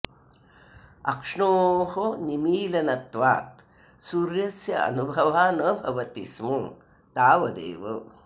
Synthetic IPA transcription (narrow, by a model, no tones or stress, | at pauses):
ɐ̰kʂɳoːɦonimiːlɐnɐt̪ʋa̰ːt̪̚ | suɾjɐsjɐɐ̰nubʱɐʋaːnɐbʱɐʋɐt̪ismɐ | t̪aːʋɐd̪ḛːʋɐ̰